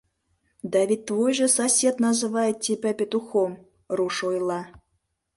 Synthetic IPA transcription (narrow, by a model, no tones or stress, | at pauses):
d̪ɑβʲit̪̚ʲt̪vojʐɤ̆sɐsʲet̪nɑzɨvɑjet̪̚ʲt̪ʲipʲæpʲet̪uxom | ruʂojlˠɑ